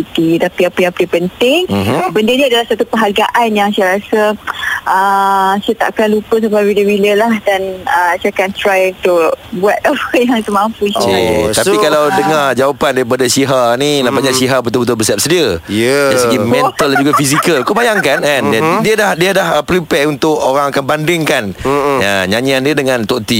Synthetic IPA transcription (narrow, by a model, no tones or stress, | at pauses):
it̪it̪apiapijapədiəpənt̪ɪŋbəndəniadalahsat̪upəɦaɡaʔanjaŋsajaɾasəʔəsiat̪a̰ʔkanlupəs̬əbawidəbiləlahdanəsakant̪ɾajunt̪uʔbuat̪̚əpəjaŋt̪uʔmampusa̰t̪aikalawdəŋard͡ʒawapandaɾipadasiɦaninabaɲaʔsiɦabət̪ʊlbət̪̬ʊlbəsiap̚sədiəjdasəɡimɛ̃nt̪əld͡ʒuɡafisikəlkəbajaŋkanandɛndiadahdiədahpɾipɛunt̪ʊkoɾaŋakanbandɪŋkanjaɲaɲiandiədəŋãnt̪oʔt̪i